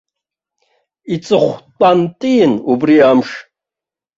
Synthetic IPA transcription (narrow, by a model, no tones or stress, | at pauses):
it͡sʼɨχʷtʼantʼinubriamʂ